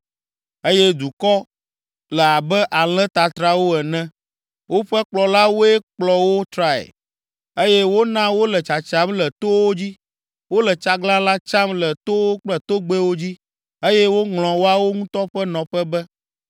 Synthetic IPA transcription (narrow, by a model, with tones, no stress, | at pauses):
e˦jɛ˦d̪u˨kɔ˦ | lɛ˨a˨bɛ˦ʔa˨l̃ɛ̃˦t̪a˨t̪ɾa˦wo˦ɛ˨nɛ̃˦ | wo˦ɸɛ˦k͡plɔ˨la˦wo˦ɛ˦k͡plɔ˨wo˦t̪ɾa˦ɛ̰˨ | e˦jɛ˦wo˦nã˦wo˦lɛ˨t͡ʃa˨t͡ʃa˦mlɛ˨t̪o˦wo˦d͡ʑi˦ | wo˦lɛ˨t͡ʃa˨ɡlã˦la˦t͡ʃa˦mlɛ˨t̪o˦wo˦k͡plɛ˦t̪o˦ɡ͡be˦wo˦d͡ʑi˦ | e˦jɛ˦wo˦ŋl̃ɔ̃˨wo˦a˦wo˦ŋũ˦t̪ɔ˦ɸɛ˦nɔ̃˨ɸɛ˦bɛ˦